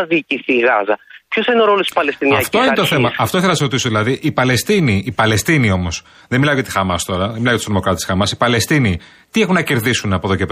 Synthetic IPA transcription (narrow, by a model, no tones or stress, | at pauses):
ðiːciθiːɣɐ̰zɐpçusenoɾolosi̥spɐlest̪iniɐft̪oinet̪oθemɐɐt̪oiθelɐnɐsɾot̪isoðilɐðiʔipɐle̞st̪iniːpɐle̞st̪inio̞mo̞s | ðenmilɐocet̪ixɐmɐst̪o̞ɾɐðenmilɐt̪st̪ɾomo̞kɾɐt̪esxɐmɐsi̥pɐle̞st̪ini | t̪iexunɐce̞ɾðisunɐpoðocep